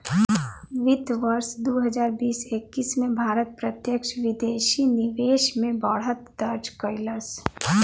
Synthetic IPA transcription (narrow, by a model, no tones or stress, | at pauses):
ʋɪd̪ʋəɾsd̪oɦəd͡ʒaːɾbiːsekːiːsmẽbʱaːɾət̪̚pɾət̪jəkʃʋɪd̪eːʃinɪʋeːʃmẽbaɽɦət̪d̪əɾd͡ʒkəɪləs